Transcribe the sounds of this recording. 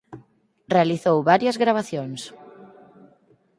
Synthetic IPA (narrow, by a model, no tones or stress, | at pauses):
realiθowβaɾjɐzɣɾaβ̞aθjoŋs